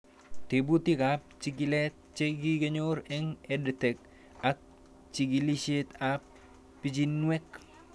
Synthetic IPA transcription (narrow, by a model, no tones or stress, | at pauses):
tebutikap̚t͡ʃiɡilɛt̚ | t͡ʃekikeɲoɾɛŋɛdətɛk̚ | ak̚ | t͡ʃiɡiliʃetap̚ː | it͡ʃinwɛk